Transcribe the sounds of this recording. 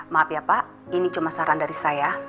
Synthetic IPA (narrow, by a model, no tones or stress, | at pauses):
mapiapa | init͡ʃumasaɾandaɾisaja